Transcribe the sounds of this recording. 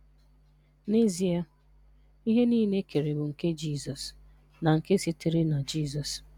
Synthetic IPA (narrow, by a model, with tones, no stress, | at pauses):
ne˦zi˨a˦ | i˦ɦe˦niː˦˨ne˦ke˨ɾe˨bʊ˨ŋ̩˨ke˦d͡ʒiː˦˨zɔ˨s | na˨ŋ̩˨ke˦si˦ti˨ɾɪ˦na˨d͡ʒi˦˨zɔ˨s